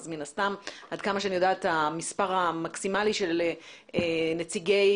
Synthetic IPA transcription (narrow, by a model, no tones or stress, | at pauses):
zminastamʔadkamaʃeanijo̞daːatamispaʁamaksimaliʃe̞l | ene̞t͡siɡe̞j